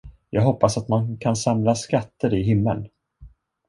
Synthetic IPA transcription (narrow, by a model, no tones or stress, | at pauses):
jɑːɡɦɔpːasat̪mankʰansamlaskat̪ːəɾɪɦɪmːə̰n